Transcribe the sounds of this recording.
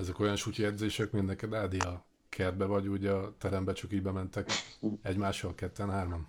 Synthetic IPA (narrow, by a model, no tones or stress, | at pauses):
ɛzɛko̞jɒnʃuːciɛd̪zeːʃɛkmind̪nɛkɛd̪aːd̪iɒ | kʰɛrd̪̚bɛvɒɟuɟɒt̪ɛɾɛmbɛt͡ʃɒkiːɟbɛmɛnt̪ɛkɛɟmaːʃːɒlkɛt̪ːɛnɦaːrmɒn